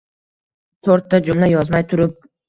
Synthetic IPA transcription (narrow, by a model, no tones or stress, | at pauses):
t̪ʰoɾt̪ːad͡ʒʊmlajɒzmajt̪ʰʊɾʊp̚